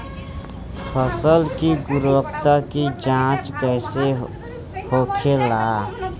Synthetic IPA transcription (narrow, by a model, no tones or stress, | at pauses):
pʰəsəlkiɡʊɾwəkt̪akid͡ʒãːt͡ʃkɛːse | hoːkʰelaː